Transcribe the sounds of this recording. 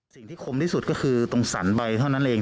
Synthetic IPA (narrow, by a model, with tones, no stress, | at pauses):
si˨˩ŋt̪ʰiː˥˩kʰo˧mt̪ʰiː˥˩su˨˩t̪̚kɔ˥˩kʰɯː˧t̪o˧ŋsa̰˩˦nba˧jt̪ʰa˥˩na˦˥nʔeː˧ŋ